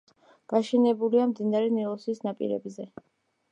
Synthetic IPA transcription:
ɡ̥aʃɛnɛbuliamd̪inaɾɛnɛlˠɔsisnapʼḭɾɛ̰bzɛ

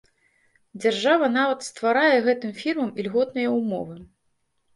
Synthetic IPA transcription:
d͡zʲarʐavɐnavɐt̪st̪vaɾajɛɣɛt̪ɨmfʲirmɐmilʲɣɔt̪nɨjɐumɔ̰vɨ

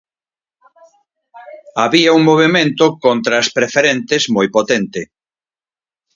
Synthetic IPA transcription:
aβiauŋmoβ̞emẽnt̪ʊkont̪ɾaspɾefeɾent̪ezmojpot̪ent̪ɪ

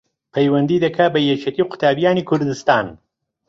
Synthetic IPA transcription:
pʰɐjwɐnd̪iːd̪ɐkʰɐbɐjet͡ʃʰet̪iːqʰʊ̥t̪ʰaːbijaːnikʰʊɾd̪ɨst̪aːn

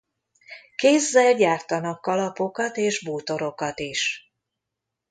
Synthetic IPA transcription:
keːzːɛlɟaːrt̪ɒnɒkːɒlɒpo̞kɒt̪eːʒbuːt̪o̞ɾo̞kɒt̪iʃ

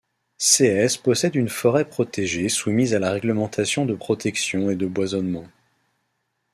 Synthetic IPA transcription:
seɛspɔsɛd̪ynfɔʁɛpχɔt̪eʒesumizalaʁɛɡləmɑ̃t̪ʰasjɔ̃d̪əpχɔt̪ɛksjɔ̃ed̪əbwazɔnmɑ̃

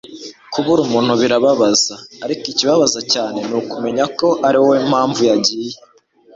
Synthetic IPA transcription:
kuβuɾumuːn̥huβiɾaβaβazaːɾikiciβaβazacaːne̞nukume̞ɲako̞ʔaɾiwoem̥haːɱvujaɟiːje

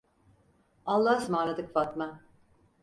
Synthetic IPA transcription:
alˠːaɦsmaːlˠad̪ɯkfat̪ma

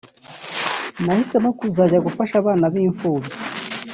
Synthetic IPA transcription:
nahisemokuzaɟaɡufaʃaβaːnaβiːɱfuːbji

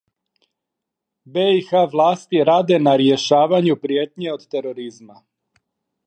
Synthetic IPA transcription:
beixaʋlˠaːst̪iɾaːd̪e̞naɾjeʃaːʋaɲupɾjeːt̪ɲeo̞d̪t̪eɾo̞ɾizma

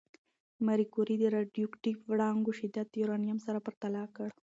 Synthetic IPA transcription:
maɾikuɾid̪əɾaɖjukʈipʋɽɑŋɡuʃɪd̪at̪juɾanijamsaɾapəɾt̪alɑkəɽ

